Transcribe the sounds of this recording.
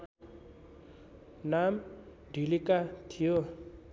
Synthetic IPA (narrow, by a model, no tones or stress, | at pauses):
nam | ɖʱilikat̪ʰijo